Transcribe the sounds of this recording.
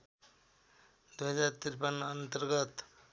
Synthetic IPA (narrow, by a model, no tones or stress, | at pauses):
d̪uɦʌd͡ʒaɾt̪iɾpənənt̪əɾɡət̪